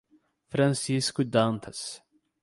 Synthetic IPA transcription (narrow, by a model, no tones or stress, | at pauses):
fɾansiskud̪ant̪ʰəs